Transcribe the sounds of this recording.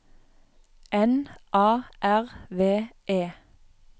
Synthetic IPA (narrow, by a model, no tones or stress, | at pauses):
ʔɛnʔɑːʔæʁʋeːʔeː